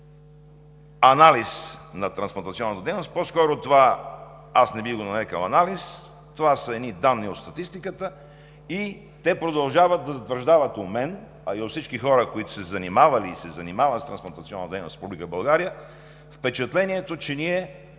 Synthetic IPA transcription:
ɐnalisnɐt̪ɾɐnsplˠɐnt̪ɐt̪siɔnːət̪əd̪ɛjnost̪̚poskɔɾot̪ova | asnɛbiɣɡonɐɾɛkəlˠɐnalis | t̪ovasəɛd̪nid̪anːiot̪st̪ɐt̪ist̪ikət̪ə | i | t̪ɛpɾod̪ɐlˠʒavət̪̚d̪ːɐzɐt̪vəɾʒd̪avət̪omɛn | ɐiot̪fsit͡ʃkixɔɾəkoit̪o̥sɛzɐnimavɐliːsɛzɐnimavɐt̪st̪ɾɐnsplˠɐnt̪ɐt̪siɔnːət̪d̪ɛjno̰sɾɛpublikəbɐlˠɡaɾijə | fpɛt͡ʃɛt̪lɛniɛt̪ot͡ʃɛniɛ

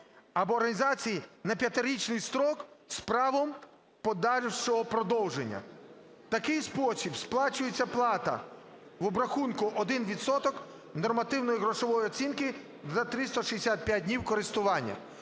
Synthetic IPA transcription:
ɐbɔːrɦɐnʲizɑt͡sʲijinɐpʲjɐt̪ɪɾʲit͡ʃnɪjst̪ɾɔkspɾɑʋɔm | pɔd̪ɑɾʲwt͡ʃɔɦɔpɾɔd̪ɔwʒenʲːɐ̰ | t̪ɐkɪjspɔsʲibsplˠɑt͡ʃʊjet͡sʲːɐplˠɑt̪ɐ̰ | ʋɔbɾɐxunkʊʔɔd̪ɪnʋʲit̪sɔt̪ɔk | nɔrmɐt̪ɪwnɔjiɦɾɔʃɔʋɔjiɔtt͡sʲinkɪ | zɐt̪ɾɪst̪ɔʃijesʲat̪̚pʲjadʲnʲiwkɔɾɪst̪ʊʋɑnʲːɐ̰

